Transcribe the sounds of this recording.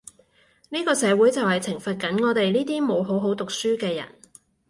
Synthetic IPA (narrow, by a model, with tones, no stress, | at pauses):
niː˥kɔː˧sɛː˨˧wuː˨˥jt͡sɐ˨whɐ˨˩jt͡sʰɪ˨˩ŋfɐ˨t̚kɐ˨˥nŋɔː˨˧t̪e˨jniː˥t̪iː˥mo˨˧wɦo˨˥wɦo˨˥wt̪ʊ˨k̚syː˥kɛː˧jɐ̰˨˩n